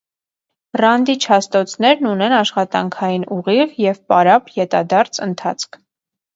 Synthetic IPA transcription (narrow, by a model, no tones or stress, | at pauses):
rɑnd̪it͡ʃʰɑst̪ɔt͡sʰnɛɾnunɛnɑʃχɑt̪ɑŋkʰɑjinuʁiʁjɛvpɑɾɑpjɛt̪ɑ̰d̪ɑɾt͡sʰənt̪ʰɑ̰t͡sʰkʰ